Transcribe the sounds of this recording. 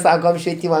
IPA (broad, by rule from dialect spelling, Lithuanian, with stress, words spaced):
ˈsɑːkoːm ʃʲʋʲiɛˈtʲiːmɐ